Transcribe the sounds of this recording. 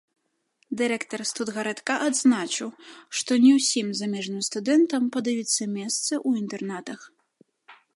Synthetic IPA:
d̪ɨɾɛkt̪ɐrst̪ud̪ɣɐɾɛt̪kaʔad̪znat͡ʂɨwʂt̪ɔnʲɛwsʲimzamʲɛʐnɨmst̪ud̪ɛnt̪ɐmpɐd̪ajʲit̪sːɐmʲɛst̪sɨʔuint̪ɛrnat̪ɐx

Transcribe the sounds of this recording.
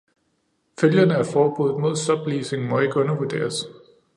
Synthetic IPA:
føljɐnəæɐfɒːb̥ṵð̩ˠmo̝ð̞̰ˠsɒ̽b̥liːse̝ŋmɒ̽e̝ɡ̥əɔ̽nɐʋuɐd̥e̝̰ːɐs

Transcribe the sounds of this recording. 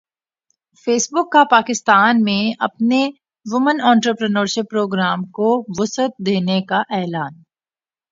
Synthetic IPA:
feːsbʊkːapaːkɪst̪aːnmẽɐpne | ʋʊmənɔ̃ːɳʈɾəpɾənəːɾʃɪpːɾoːɡɾaːmkoʋʊsət̪̚d̪eːnekaʔɛːlaːn

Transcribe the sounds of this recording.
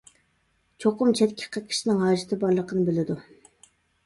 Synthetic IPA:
t͡ʃʰoqʊmt͡ʃʰɛt̪kʲʰːɪ̥qʰət̪̚kʲʰi̥ʃinɪŋɦɑːʒɪt̪ʰɨbɑɾlˠəqʰənɨbɪlɪd̪u

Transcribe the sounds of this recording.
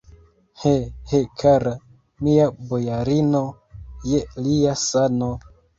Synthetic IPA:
hehekʰaɾa | miabojaɾino | jeliasano

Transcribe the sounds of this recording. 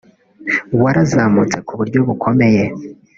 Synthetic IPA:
waɾazaːmut͡se̞kuβuɾɟo̞βukʰo̞me̞je̞

